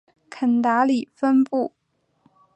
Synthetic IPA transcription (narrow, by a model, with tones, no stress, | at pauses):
kʰə˨˩nt̪a˧˥li˨˩fə˥npu˥˩